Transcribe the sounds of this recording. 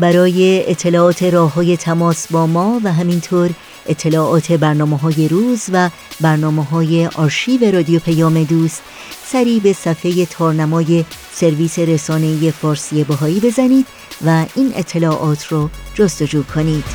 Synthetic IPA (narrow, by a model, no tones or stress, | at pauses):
bæɾɒːje̞et̪ʰːe̞lɒːt̪ʰe̞ɾɒːɦɒːje̞t̪ʰæmɒːsbɒːmɒːvæɦæmint̪ʰoːɾ | ʔet̪ʰːe̞lɒːʔɒːt̪ʰe̞bæɾnɒːmeɦɒːje̞ɾuːzvæ | bæɾnɒːmeɦɒːje̞ʔɒːɾʃiːve̞ɾɒːd̪ijopʰæjɒːme̞d̪uːst̪ | sæɾiːbe̞sæfeje̞t̪ʰɒːɾnæmɒːje̞ | se̞ɾviːse̞ɾesɒːne̞ije̞fɒːɾsijebeɦɒːiːbe̞zæniːd̪̥ | væiːnʔḛt̪ʰːe̞lɒːʔɒːt̪ʰrɔːd͡ʒost̪o̞d͡ʒuːkʰo̞niːd̪̥